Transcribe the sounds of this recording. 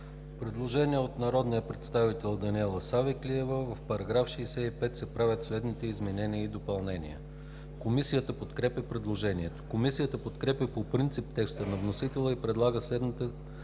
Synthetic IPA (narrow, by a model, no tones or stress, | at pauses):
pɾɛd̪lˠoʒɛniəot̪nɐɾɔd̪nijəpɾɛt̪st̪avit̪ɛlˠd̪ɐnʲiɛlˠəsavɛkliɛvəvəfpɐɾɐɡɾafʃɛːsɛipɛt̪sɛpɾavʲət̪slɛd̪nit̪ɛizmɛnɛniəid̪opɐlˠnɛnʲḭə̰ | komisijət̪əpot̪kɾɛpʲjəpɾɛd̪lˠoʒɛniɛt̪o̥komisijət̪əpot̪kɾɛpʲjəpopɾint̪sip̚t̪ɛkst̪ənɐvnosit̪ɛlˠəipɾɛd̪lˠaɡəslɛd̪nit̪ə